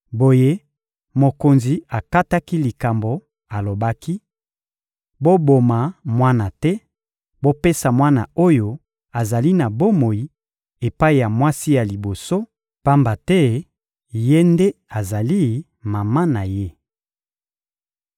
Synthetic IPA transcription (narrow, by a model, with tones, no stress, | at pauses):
bo˨je˦ | mo˨ko˨nzi˨a˨ka˦ta˦ki˦li˨ka˨mbo˨ | a˨lo˨ba˦ki˦ | bo˦bo˨ma˨mwa˦na˨tɛ˦ | bo˦pe˦sa˨mwa˦na̰˨o˦jo˨ | a˨za˨li˦na˨bo˦mo˨ji˦ | e˨pa˦i˨ja˨mwa˦si˦ja˨li˨bo˨so˦ | pa˦mba˨tɛ˦ | je˦nde˦a˨za˨li˦ | ma˨ma˦na˨je˦